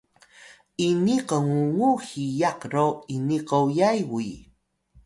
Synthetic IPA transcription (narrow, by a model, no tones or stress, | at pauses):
iniqəŋuŋuhijaqɾoiniqəwjajwuj